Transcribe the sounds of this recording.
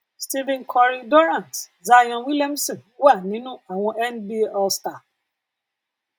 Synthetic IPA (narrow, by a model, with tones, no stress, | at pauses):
sti˦vɛ̃˦nkʰɔ˧ɾi˧dɔ˦ɾã˦˨nt | za˧jɔ̃˧wi˦lɛ˦msɔ̃˨n˦wa˦˨nĩ˨˦nũ˦a˨w̃ɔ̃˧ɛ˦nbi˦ɔ˦sta˨